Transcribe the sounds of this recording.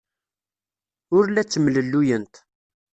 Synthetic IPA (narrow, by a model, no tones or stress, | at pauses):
ʊɾlæt͡sːəmləlːujənt̪